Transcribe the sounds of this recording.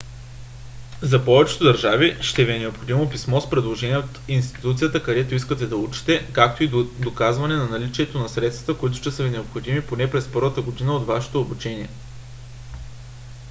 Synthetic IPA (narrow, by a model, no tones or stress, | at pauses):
zɐpɔvɛt͡ʃɛ̥t̪od̪ɐɾʒaviʃt̪ɛviɛnɛopxod̪imopismɔspɾɛd̪lˠoʒɛniɛot̪inst̪i̥t̪ut̪sijət̪əkɐd̪ɛt̪oiskət̪ɛd̪ɐut͡ʃi̥t̪ɛkak̚t̪oid̪okazvɐnɛnɐnɐlit͡ʃiɛt̪onɐsɾɛt̪st̪vɐ̥t̪əkoit̪̬ʊ̥ʃt̪ɛsəvinɛopxod̪imiponɛpɾɛspɔɾvət̪əɡod̪inəot̪vaʃɛ̥t̪oːbut͡ʃɛniɛ